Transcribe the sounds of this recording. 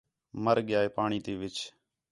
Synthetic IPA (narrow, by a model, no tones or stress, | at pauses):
məɾɠɪjaːeːpaːɳ̃iːt̪iːʋɪt͡ʃ